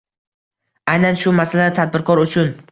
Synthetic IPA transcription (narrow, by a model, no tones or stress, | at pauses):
ajnanʃʊmasalat̪ʰad̪̚bɪɾkʰɒɾʊt͡ʃʰʊn